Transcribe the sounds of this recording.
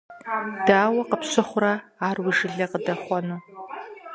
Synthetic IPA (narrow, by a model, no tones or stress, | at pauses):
d̥aːwɐqəpɕɨχʷʊrɐaːrwiʒɪɮɐqədɐχʷɔnu